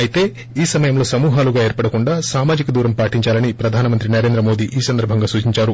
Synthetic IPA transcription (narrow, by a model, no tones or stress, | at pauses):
ɐjit̪e̞ː | iːsɐmɐjɐmlo̞ːsɐmuːɦaːluɡaːe̞ːɾpɐɽɐkuɳɖaːsaːmaːd͡ʒikɐd̪uːɾɐmpaːʈiɲt͡ʃaːlɐnipɾɐd̪ʱaːnɐmɐnt̪ɾinɐɾeːnd̪ɾɐmo̞ːd̪iːʔiːsɐnd̪ɐɾbʱɐŋɡaːsuːt͡ʃiɲt͡ʃaːɾu